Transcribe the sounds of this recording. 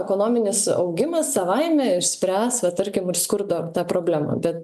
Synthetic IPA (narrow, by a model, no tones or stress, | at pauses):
ɛkoːnoːmʲɪnʲɪsɐ̰ʊɡʲɪmɐssɐʋɐɪmʲɛɪʃʲsʲpʲɾʲæːsʋɐt̪ɐɾʲkʲɪmɪrskʊɾd̪oːt̪ɑːpɾoːbʲlʲæːmɑ̰bʲɛt̪